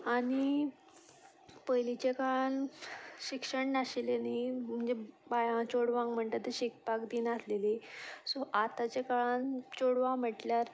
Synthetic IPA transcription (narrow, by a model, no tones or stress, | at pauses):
aɽ̃i | pəjlit͡ɕekaɭanɕikʂəɳnaɕilenim̤əɳd͡zebajãt͡ɕoɽʋãŋɡm̤əɳt̪at̪ːəɕikpakd̪iːnaslelesoʔat̪at͡ɕekaɭant͡ɕoɽʋãm̤əʈljaɾ